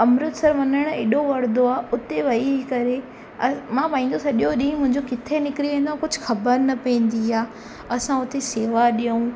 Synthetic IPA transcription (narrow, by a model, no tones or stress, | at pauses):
ɐmɾʊt̪sɐɾʋɐnəɽ̃eːɗoʋɐɾd̪oaːʊt̪eʋɐiikɐɾe | mãːpaːĩːn̆d̪osɐʄjoɗĩːmʊ̃ɦɪ̃ɲd͡ʑokɪt̪ʰenɪkɾiʋẽːnd̪oaːkʊd͡ʑʱʊxɐbəɾnɐpẽːn̆d̪iaː | ɐsãʊt̪eseːʋaɗijəũ